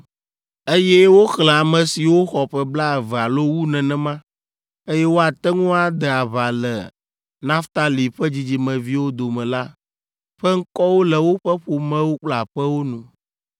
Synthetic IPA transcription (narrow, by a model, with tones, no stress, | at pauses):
e˦jɛ˦wo˦xlɛ̃˨a˨mɛ̃˨si˨wo˦xɔ˨ɸɛ˦bla˦e˨vɛ˨a˨lo˦wu˦nɛ̃˨nɛ̃˨mã˦ | e˦jɛ˦wo˦a˨t̪ɛ˦ŋũ˦a˨d̪ɛ˨a˨βa˨lɛ̰˨ | nã˦ft̪a˦li˨ɸɛ˦d͡ʑi˨d͡ʑi˨mɛ̃˨vi˦wo˦d̪o˨mɛ̃˨la˦ | ɸɛ˦ŋ̩˦kɔ˦wo˦lɛ˨wo˦ɸɛ˦ɸo˨mɛ̃˦wo˦k͡pla˨ɸɛ˦wo˦nũ˨